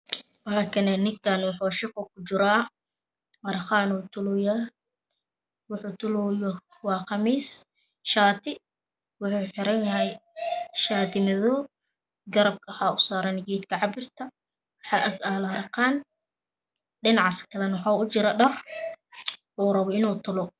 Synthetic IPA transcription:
wɦaːkʰɐnɛnɪŋkʰanwʊħuːʃɪqɔkʰʊt͡ʃɪɾaː | ɐɾqɑːnuːt̪ʰʊlʊja | wʊħuːt̪ʰʊlujɔ | wɑːqɑmiːs | ʃaːt̪ʰɪ | wʊħuːħɪɾɐnjɐɦɛjʃaːt̪ʰɪmɐðɔ | ɡɐɾɐb̚kʰɐħaːʊsaːɾɛnɪɡiːt̪kʰɐʕɑbɪrt̪ʰɐ | ħɑʔɐaːlɾqaːn | ɖɪnɑʕskʰɐlɛnwħaːʊt͡ʃɪɾɐɖɐr | uːɾɐβɔɪnuːt̪ʰʊlɔ

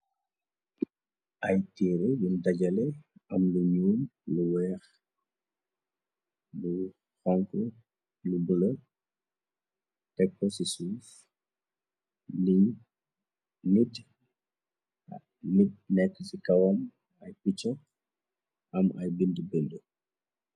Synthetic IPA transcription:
ʔɐjtiːɾɛjundɐɟɐlɛɐmluɲuːmluwɛːx | bu | xɔŋku | lubulɔ | tɛkːɔsisuːf | i | nit | nit̚nɛkːəsikɐwɐm | ɐjpit͡ʃːɔ | ʔɐmɐjbindubɛndu

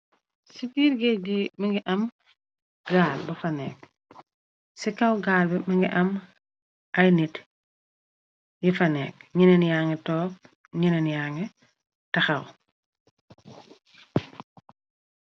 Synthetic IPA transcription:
sipiːɾɡebimɐŋɡiʔɐm | ɡaːlbɐfɐnɛk̚ | sikɐwɡaːlbɛmɐŋɡiʔɐm | ɐjnit | jifɐnɛ̰ːk̚ɲinenjaːŋɡetɔːk̚ | ɲinenjaŋe | tɐxɐw

